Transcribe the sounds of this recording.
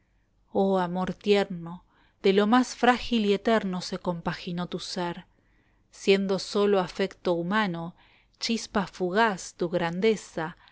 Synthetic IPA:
oamo̞ɾt̪jeɾno̞ | ðelomasfɾaxiliet̪eɾno̞seko̞mpaxinot̪useɾ | sje̞nd̪o̞so̞loafekt̪oumano̞ | t͡ʃispafuɣast̪uɣɾand̪esa

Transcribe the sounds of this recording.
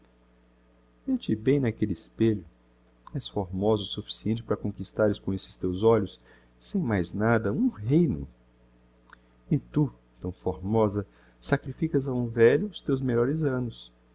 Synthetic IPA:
et͡ʃɪbẽj̃nɐkelɪspeʎʊ | ɛsfoɾmɔzʊsufi̥siẽnt͡ʃɪpɐɾɐkõkist̪aɾɪskõesɪ̥st̪ewzɔʎʊsː | ẽj̃majznad̪ɐũɦejnʊ̰ | ɪt̪u | t̪ɐ̃w̃foɾmɔzɐ | sakɾifikɐzaũvɛʎʊːst̪ewzmeʎɔɾɪzɐ̃nʊs

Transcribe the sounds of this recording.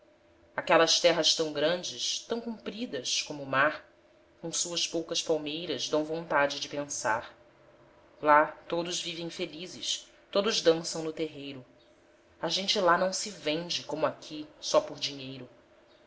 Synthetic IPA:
akɛlɐst̪ɛɦɐst̪ɐ̃w̃ɡɾɐ̃nd͡ʒɪst̪ɐ̃w̃kũmpɾid̪ɐʃkõmʊːmaɾ | kõw̃suɐspowkɐspawmejɾɐzd̪ɐ̃w̃võnt̪ad͡ʒɪd͡ʒɪpẽsa̰ɾ | lat̪od̪ʊzvivẽj̃felizɪs | t̪od̪ʊzd̪ɐ̃sɐ̃w̃nʊt̪eɦejɾʊ | aʒẽnt͡ʃɪlanɐ̃w̃sɪvẽd͡ʒɪkõmʊakʲʰisɔpʊɾd͡ʒiɲejɾʊ

